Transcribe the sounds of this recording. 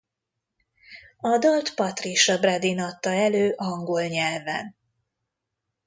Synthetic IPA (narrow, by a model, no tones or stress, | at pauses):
ɒd̪ɒlt̪pɒt̪riʃɒbrad̪inɒt̪ːɒɛløːʔɒŋɡolɲɛlvɛ̰n